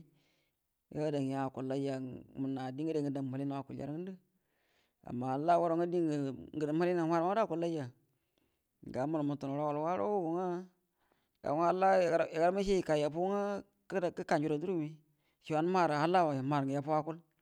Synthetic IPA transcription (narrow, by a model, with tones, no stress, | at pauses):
ɡa˦da˨ŋ˨ja˦˨ku˨la˦ja˨mu˨na˨di˦ŋɡi˦de˨ŋɡə˨da˨ma˨li˦na˨wa˨ku˨lja̰˦ɾɡə˦də˦ | a̰˨mːa˨ha˨la˦wa˦ɾo˨˦ŋa˦di˦˨ŋɡə˨da˨ma˦li˦na˨wʷa˦ɾda˦˨ku˨la˦ja˨ | ɡa˨˦ma˦lmu˨tu˨no˨ɾo˦wa˨lwa˦ɾo̰˦wwu˨ŋa˦ | ɡa̰˨˦ŋ˦a˦la˦˨˦a˨ɡa˦ɾma˦ʃe˦ji˨ka˨ja˨pu˦ŋa˦ | kkə˦ka˨nd͡ʒu˨ɾo˨˦du˦ɾu˦mi˦ | ʃi˨wa˨˦n˦ma˦˨ɾha˦la˦wa˨a˨ma˨ɾŋɡi˨ja˨pu˦a˦ku˦l